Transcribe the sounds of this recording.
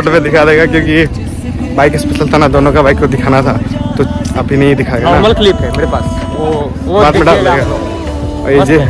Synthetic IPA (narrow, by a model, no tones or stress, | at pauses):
ʈmẽd̪ɪkʰad̪eːɡakjõːki | baːɪkɪspəʃəlt̪ʰanad̪oːnõkabaːɪkːod̪ɪkʰaːnat̪ʰat̪oɐbʱinɐɦĩd̪ɪkʰaeɡaɔːnaɾməlklipɦɛmeːɾepaːs | o | obaːt̪mẽɖaːld̪eːɡa | ɔ̰ed͡ʒi